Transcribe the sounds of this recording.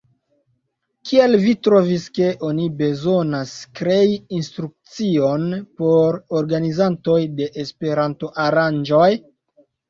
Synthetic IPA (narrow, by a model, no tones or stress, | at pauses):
kʰie̞lvitɾo̞viske̞ʔo̞nibe̞zo̞naskɾe̞iːnstɾuk̚t͡sio̞npo̞ɾoɾɡanizanto̞jde̞ʔespe̞ɾanto̞ʔaɾand͡ʒo̞j